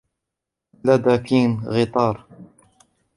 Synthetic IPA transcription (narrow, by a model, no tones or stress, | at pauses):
lad̪akiːnɣɪt̪ˤɑːɾˤ